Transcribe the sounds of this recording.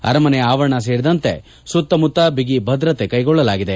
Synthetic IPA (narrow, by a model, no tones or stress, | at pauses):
ɐ̰ɾɐmɐnɛjaːʋɐɾɐɳɐs̬eːɾid̪ɐnt̪e̞̰ | sut̪ːɐmut̪ːɐbiɡibʱɐd̪ɾɐt̪ekɐjɡɔɭːɐlaːɡid̪e̞